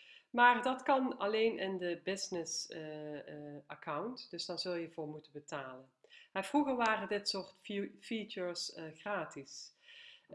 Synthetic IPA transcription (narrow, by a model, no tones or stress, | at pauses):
maːrdɑtkɑnɑlejnɪndəbɪznɪs | akʰʌwntdɵzd̥ɑnzɵlˠjəvʊːɹmutənbətaːlənɦɛjv̥ruɣəɹʋaːrədɪtsoːɹtfit͡ʃəɹsɣraːtis